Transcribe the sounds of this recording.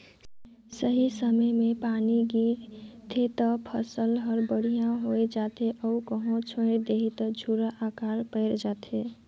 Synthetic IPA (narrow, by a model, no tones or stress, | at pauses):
səɦisəməjmepaniɡiɾt̪ʰet̪əpʰəsəlɦəɾbəɽ̤ijãɦoed͡ʒat̪eʔəukəɦõt͡ʃʰoɪɾd̪eɦit̪əd͡ʒʱuɾaʔakaɾpəɪɾd͡ʒat̪ʰe